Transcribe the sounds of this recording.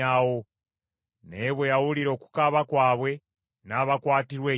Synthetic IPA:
awo | neβwejawuliɾo̞ːku̥kaβakwaːβwe̞ | naβakwaːtiɾwe

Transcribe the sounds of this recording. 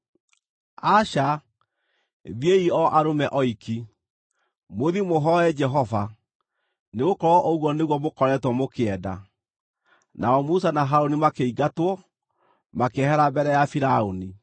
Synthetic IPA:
aʃa | ðjeiɔʔaɾomɛʔɔiki | moðimoɦɔɛd͡ʒɛɦɔva | neɣokɔɾɔʔoɣwɔneɣwɔmokɔɾɛtwɔmokeɛda̰ | naɔmusanaɦaɾonimakeiɡatwɔ | makehɛɾabɛɾɛjafiɾaoni

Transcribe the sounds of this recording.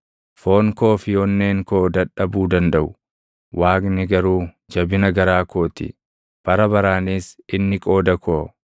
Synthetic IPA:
fo̞ːŋkoːfɪjoːnːeːŋkoːd̪ɐᶑɐbuːd̪ɐnd̪ɐʔʊ̥ | wʔaːknɪɡɐɾuː | d͡ʒɐbɪnɐɡɐɾaːkoːt̪ɪ̰ | b̥ɐɾɐbɐɾaːniːsɪnːɪkʼo̞ːd̪ɐkʰoː

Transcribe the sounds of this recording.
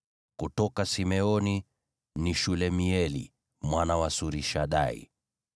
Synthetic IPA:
kutɔkasimɛɔni | niʃulɛmiɛlḭ | mwanawasuɾiʃaɗa̰ḭ

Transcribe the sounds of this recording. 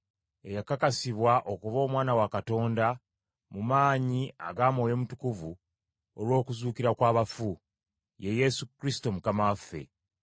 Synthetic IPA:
e̞jakakasiβwaʔo̞kuvo̞ːmwaːnawakato̞ːnda | mumaːɲia̰ɡaːmo̞ːje̞mutukuvu | olwo̞ːkuzuːkiɾakwaːβafu | je̞je̞sukɾisi̥to̞mukamafːe̞̰

